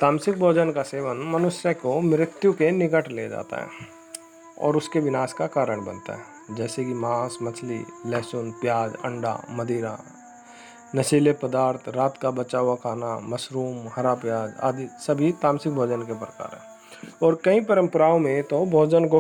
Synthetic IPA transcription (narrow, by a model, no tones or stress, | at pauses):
t̪aːmsɪk̚bʱoːd͡ʒənkaseːʋənmɐnʊsjəkomɪɾɪt̪jukenɪkəʈʰlḛd͡ʒa̰ːt̪a̰ɦɛ̰ː | ɔ̰ːɾʊskeʋɪnaːskakaːɾəɳ̃bə̰̃nt̪a̰ɦɛː | d͡ʒɛːsekimaːsmɐt͡ʃʰlḭlɛːsʊnpjaːd͡ʒə̰̃ɳɖa̰məd̪ʱiːɾa̰ | nɐsiːlepəd̪aːɾt̪ʰɾaːt̪kabət͡ʃaːwakʰaːnamɐsɾuːmhɐɾapjaːd͡ʒa̰ːd̪isɐbʱit̪ãːmsɪk̚bʱɔːd͡ʒənkepɾəka̰ːɾɦɛ̰̃ː | ɔːɾkɐɦĩpəɾə̃mpɾaːõmẽt̪obʱɔːd͡ʒənko